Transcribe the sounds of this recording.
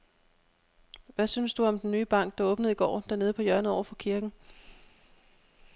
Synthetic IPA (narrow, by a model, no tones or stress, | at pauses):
ʋæsynsd̥uɒ̽md̥enːyːb̥ɑ̈ŋ̰ɡ̥̚d̥ɑ̈ɔːb̥nəð̞̩ˠiɡ̥ɒ̰ːd̥æɐne̝ð̞̩ˠpʰɒ̽jɶɐnəɒʊɐfɒ̽kʰiɐɡ̥n̩